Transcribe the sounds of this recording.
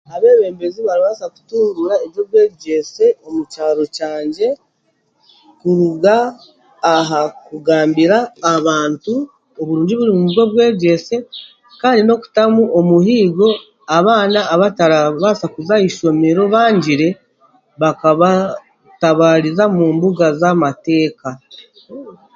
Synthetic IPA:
aβe̞ːβe̞ːmbe̞ziβaɾiβasaku̥tuːɾuɾaeβjo̞βwe̞ːβɟe̞se̞o̞mucaːɾo̞caːɲɟe̞ | kuɾuɡaː | ɦakuɡaːmbiɾaːβaːntu | o̞βuɾuːɲɟiβuɾimumuβjo̞βwe̞ːɟe̞se̞ | kaːndino̞ku̥tamuʔomuɦiːɡo̞ | aβaːnaːβataɾaβasakuzaiʃo̞me̞ɾo̞βaːɲɟiɾe̞ | βakaβa | taβaːɾizamuːmbuɡazamate̞ːka

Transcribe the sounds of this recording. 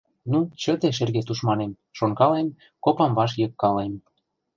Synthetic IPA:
nut͡ɕə̆t̪eʃ̬erɣet̪uʃmɑnem | ʃoŋkɑlem | kopɑmvɑʃ̬jɤ̆kːɑlem

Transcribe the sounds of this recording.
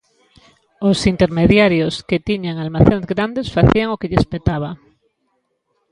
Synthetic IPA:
osint̪eɾmeðjaɾjosket̪iɲaŋalmaθenzɣɾand̪esfaθiaŋokeʎespet̪aβ̞a

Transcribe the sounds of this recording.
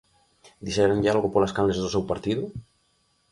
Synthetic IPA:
d̪iʃɛɾeŋʎɪalɣʊpolaskamlezðʊsewpaɾt̪iðʊ

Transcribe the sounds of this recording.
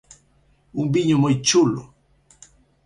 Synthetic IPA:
umbiɲomojt͡ʃulʊ̰

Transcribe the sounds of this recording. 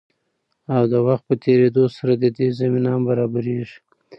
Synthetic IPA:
awd̪əwaxt̪̚pət̪ʰeɾed̪osaɾad̪əd̪ezaminɑmbaɾɑbaɾeʒi̥

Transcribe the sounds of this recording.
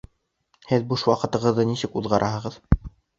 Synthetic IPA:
hɘðbuʃwɑqɤ̆t̪ɤ̆ʁɤ̆ðːɤnisɘkuðʁɑɾʔɑɦɤ̆ʁɤð

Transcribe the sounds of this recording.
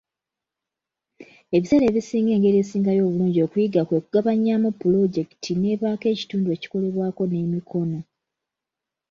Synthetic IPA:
e̞βisele̞ːβisiːŋɡe̞ːŋɡe̞ɾiesiːŋɡajo̞ːβuluːɲɟio̞ːkujiɡakweːkuɡaβaɲamupːulo̞ɟe̞ktʰine̞βaːke̞ːci̥tuːndue̞ːci̥ko̞le̞βwaːko̞ne̞mikʰo̞no̞

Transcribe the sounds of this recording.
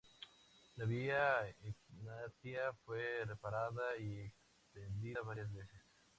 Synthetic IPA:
laβiaeknat̪iafwerepaɾaðaieks | t̪end̪iaβaɾjazβeses

